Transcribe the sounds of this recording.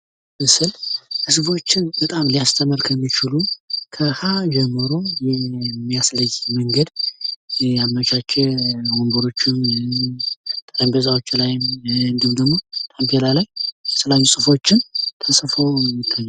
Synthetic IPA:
mɨsɨlʔɨsbo̞t͡ʃːɪnbət̪ʼamlijast̪ʰəməɾkʰəmːit͡ʃɪlukʰəhad͡ʒɛmːɨɾo̞jɛmːijasləjməŋɡəd̪ | amːət͡ʃat͡ʃːɛwombəɾo̞t͡ʃːɪn | t̪ʼələmbəzawo̞t͡ʃːlajɪmɨnd̪ɨumd̪əɡmo̞t̪ʼampʰelalajɛsəlajusʼɨfo̞t͡ʃːɪnt̪ʰəsʼfəwmɪt̪ʰːajɛ

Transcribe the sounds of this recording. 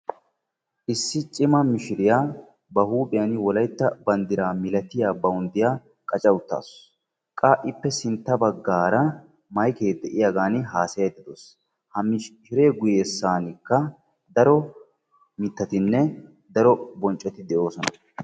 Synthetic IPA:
ʔɪsːɪt͡ʃʼɪmɐmɪʃɪɾɪjaː | bɐhuːpʼɪjɐnɪwɔlɐjt̪ːɐbɐnd̪ɪɾaːmɪlɐt̪ɪjaːbɐʊnd̪ɪjaː | kʼɐt͡ʃʼɐwʊt̪ːa̰ːs | kʼaːʔɪpːɛsɪnt̪ːɐbɐɡːaːɾɐ | mɐjkeːd̪ɛʔɪjaɡaːnɪɦaːsɐjɐd̪ɪd̪oːs | hɐmɪʃʃɪɾe̞ːɡʊjeːsːaːnɪkːɐ | d̪ɐɾɔ | mɪt̪ːɐt̪ɪnːɛ | d̪ɐɾɔbɔnt͡ʃʼːɐt̪ɪd̪ɛʔo̞ːsɔnɐ

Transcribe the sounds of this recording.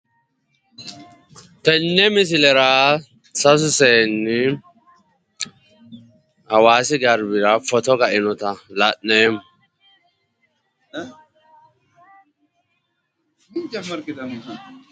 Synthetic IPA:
t̪ɛnːɛmɪs̬ɪlɛɾaː | sɐs̬ʊseːnːɪ | hɐwaːsɪɡɐɾbɪɾɐfɔt̪ɔɡɐʔɪnɔt̪ɐlaʔneːm | d͡ʒmɐɾ

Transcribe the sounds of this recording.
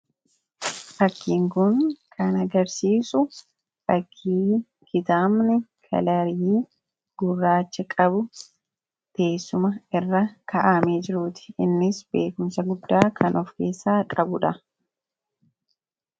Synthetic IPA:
ʔɐkːiːŋkʊŋkʰɐnɐɡɐɾsiːsʊ | ɾɐkʰːiː | kɪt̪aːmnɪkʰɐ̰lɐɾjiː | ɡ̥ʊrːaːt͡ʃːɛkʼɐbʊ | t̪e̞ːsːʊmɐɪrːɐkʰɐʔameːd͡ʒɪɾuːt̪ɪ̥ɪnːɪsbe̞ːkʊmsɐɡʊd̪ːaːkʰɐnʔɔfke̞ːsːaːkʼɐbʊᶑɐ

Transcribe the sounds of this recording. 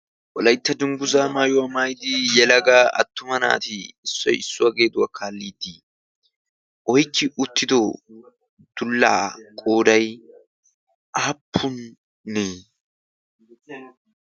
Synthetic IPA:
wɔlɐjt̪ːɐd̪ʊŋɡʊzaːmaːjɔwɐmajd̪ijɛlɐɡaːʔɐ̰t̪ːʊmɐna̰ːt̪ɪːsːɔ̰jɪsːʊwɐɡe̞ːd̪ʊwɐkʰaːlːiːd̪iː | ʔɔjkːɪʔʊt̪ːɪd̪ɔ | d̪̥ʊlːa̰ːkʼo̞ːd̪ɐj | ʔaːpʰːʊnː | eː

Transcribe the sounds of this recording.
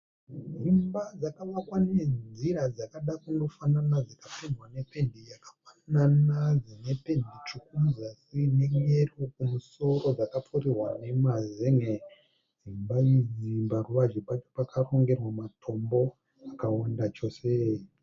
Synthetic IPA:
ɦimbad͡zakaʋakwane̞nziɾad͡zakaɗakundo̞fananad͡zakafinwane̞pe̞ndijakḁfananad͡zine̞pe̞ndit͡ʃik̚uzakine̞ŋerokumuso̞ɾo̞d͡zakapʰuɾirwa̰ne̞mazeŋe | ɦimbajiimbaruʋad͡ʒepat͡ʃo̞̥pakʰaro̞ŋɡe̞rwamatʰo̞mbo̞ | akawandat͡ʃo̞ːse

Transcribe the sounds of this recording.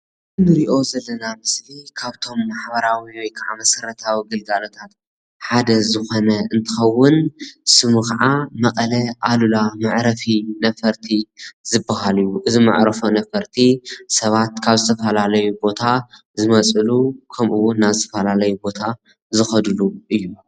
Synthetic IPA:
nɨɾiʔo̞zɐlːɐnamɨslikʰaβt̪ʰo̞mːaħbɐɾawiwɔjkʰaʕa̰mɐsɐɾɐt̪ʰawiɡɨɡalot̪ʰat̪ | ħad̪ɐzɨxo̞nɐɨnt̪ʰɨxɐwːʊnsɨmuxaʕamɐkʼɐlɐʔalulamaʕɾɐfinɐfɐɾt̪ʰizɨbːaɦalɨjuʔɨzima̰ʕɾɐfonɐfɐɾt̪ʰisɐβat̪̚kʰaβzɨt̪ʰɐfɐlalɐjubo̞t̪ʰa | zɨmɐt͡sʼɨlukʰɐmʔuwʊnːazɨt̪ʰɐfɐlalɐjubo̞t̪ʰa | zɨxɐd̪ɨluʔɨjːu

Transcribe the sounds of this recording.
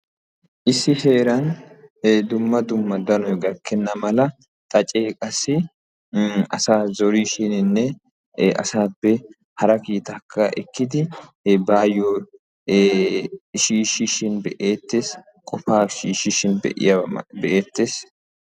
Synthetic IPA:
ʔɪsːɪhe̞ːɾɐn | d̪ʊmːɐd̪ʊmːɐd̪ɐnɔjɡɐkːɛnːɐmɐlɐ | t̪ʼɐt͡ʃʼe̞ːkʼɐsːɪ | ɐ̰saːzɔɾiʃɪnɪnːɛ | ɐ̰saːpːɛ | hɐɾɐkiːt̪ɐkʰːɐʔɛkːɪd̪ɪ | baːjoː | ʃiːʃiʃɪnbɛʔeːt̪ːes | kʼɔfaːʃiːʃɪʃɪnbɛ̰ʔɪ̰jɐbɛʔeːt̪ːeːs

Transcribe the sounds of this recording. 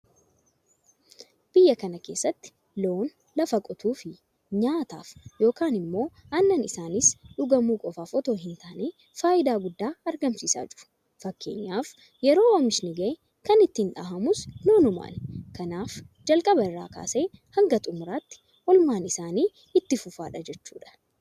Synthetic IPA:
b̥ɪjːɐkɐnɐke̞ːsːɐt̪ːɪ̥ | loːn | lɐfɐkʼɔt̪uːfɪ | ɲaːt̪a̰ːfjo̞ːkaːnɪmːo̞ː | ɐnːɐnɪsaːnɪsᶑʊɡɐmuːkʼɔfaːfɔt̪o̞ːɦɪnt̪aːneː | faːʔɪd̪aːɡʊd̪ːaːɐɾɡɐmsiːsa̰ːd͡ʒɪɾʊ̥ | fɐkːe̞ːɲːaːf | jɛɾo̞ːwɐmɪʃnɪɡɐ | kɐnɪt̪ːɪɪnᶑaːɦɐmʊsnoːnʊma̰ːnkɐnaːfd͡ʒɐlkʼɐbɐɪrːa̰ːka̰ːseːhɐŋɡɐt̪ʼʊmʊɾaːt̪ːɪ̥ | ʔɔlmaːnɪsaːniː | ɪt̪ːɪfʊfaːᶑɐd͡ʒɛt͡ʃːṵːᶑɐ̥

